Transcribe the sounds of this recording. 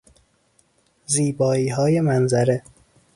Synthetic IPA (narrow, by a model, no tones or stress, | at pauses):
ziːbɒːiːɦɒːje̞mænzæɾe̞